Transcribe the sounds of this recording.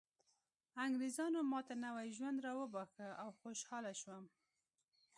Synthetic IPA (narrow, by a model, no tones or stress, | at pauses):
aŋɡɾizɑnomɑt̪anawajʒwand̪ɾɑwəbɑxəawxoʃhɑlaʃwəm